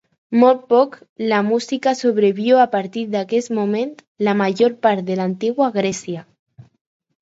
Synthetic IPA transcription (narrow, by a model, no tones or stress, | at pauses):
mol̚pɔk | lamusikasoβ̞ɾeβjoapaɾt̪iɾd̪akesmomẽnt̪ | lamaʒoɾpaɾt̪̚ðelant̪iɣwaɣ̞ɾɛsja